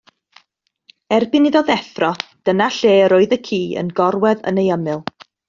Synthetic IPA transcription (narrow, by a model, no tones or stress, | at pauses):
ɛrbɪnɪðɔðɛθrɔd̥ənaɬeːɾoːɨðəkʰiːə̰nɡɔrwɛðə̰nejəmɨlˠ